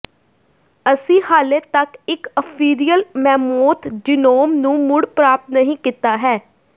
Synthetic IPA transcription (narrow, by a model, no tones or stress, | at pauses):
əsĩːhaːleːt̪əkɪkəpʰiːɾiːjəlmɛːmoːt̪ʰɖɪnoːmnũːmʊɽpɾaːp̚t̪nəɦĩːkiːt̪aːɦɛː